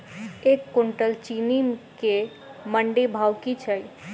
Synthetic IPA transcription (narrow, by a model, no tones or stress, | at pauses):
ekːoɳʈəlt͡ʃinimke | məɳɖebʱawkit͡ʃʰəj